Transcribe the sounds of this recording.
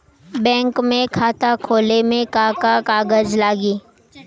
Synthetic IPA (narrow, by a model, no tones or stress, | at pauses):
bɛ̃ːŋkmẽkʰaːt̪akʰoːlemẽkaːkakaːɡəd͡ʒlaːɡiː